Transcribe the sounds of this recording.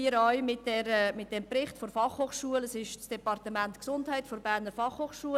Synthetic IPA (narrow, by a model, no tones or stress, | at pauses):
iəɾɔɥmɪt̚dɛɾəmɪt̚d̥ɛmprɪχtfɔɾfɑχhoːχʃuələsɪʃt͡sd̥ɛpɑrtəmæntksʊndhæɪtfɔɾbæɾnəɾfɑχhoːχʃuə